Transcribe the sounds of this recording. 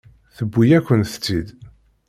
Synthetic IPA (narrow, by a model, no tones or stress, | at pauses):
θəbːijækʷːənθət͡sːid̪